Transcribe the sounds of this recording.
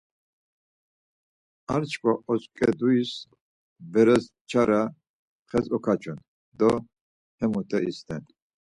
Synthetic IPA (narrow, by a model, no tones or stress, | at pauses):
aɾt͡ʃʰkʰʼaɔt͡ʃʼkʼɛd̪uis | bɛɾɛs | t͡ʃʰaɾa | χɛzɔkʰat͡ʃʰun | d̪ɔ | hɛmut̪ʰʼɛist̪ʰɛn